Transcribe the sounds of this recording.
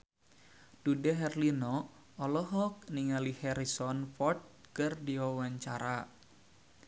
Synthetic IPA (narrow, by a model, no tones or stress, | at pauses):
d̥udɛɦɛrlinɔ | ɔlɔɦɔk̚niŋalihɛɾisɔnfɔrt̪̚kɨrdiwawaɲt͡ʃaɾa